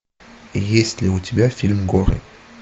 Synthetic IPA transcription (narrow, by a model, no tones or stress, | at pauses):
ejɛsleot̪ʰibafilmɡɔʁḛ